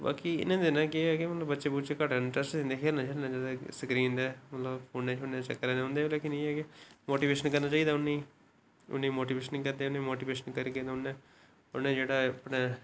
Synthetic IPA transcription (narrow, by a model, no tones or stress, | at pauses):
ba̰ːkiːɪ̰nãːd̪enãːkeɛːkemət̪ləbətːʃeːbuːt͡ʃekəʈɪɳʈɾəsʈẽnd̪eːkʰeːɾnãːkʰeːɾnãːd͡ʒaːd̪asəkɾĩːnd̪ɛːmət̪ləbpʰoːnːeːt͡ʃʊnːẽːt͡ʃəkːəɾɛ̃ːd̪eõnd̪eːlɛːkɪniɛːkemoːʈiːbeːʃənkəɾnaːt͡ʃaːiːd̪aːʊni | ʊ̰nːĩːmoːʈ̬iːbeːʃənikəɾd̪eːʊnẽmoːʈiːbeːʃənkəɾiːked̪ʊnːẽː | ʊnẽːd͡ʒeːɽaːpneː